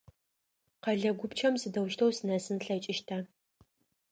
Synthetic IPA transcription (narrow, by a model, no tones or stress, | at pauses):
qɐɮɐɡʷʊpt͡ʃʰɐmsɨdɐwʃtʰɐwsɨnɐsɨnɬɐt͡ʃʼɪʃtʰaː